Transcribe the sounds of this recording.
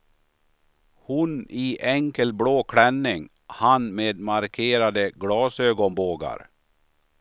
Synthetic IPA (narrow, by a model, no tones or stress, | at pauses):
hʊniːʔɛŋkəlbɽoːkʰɽɛnːɪŋ | hanmeːd̪maɾkʰeːɾad̪əɡɽɑːsøːɡɔnboːɡa̰ɾ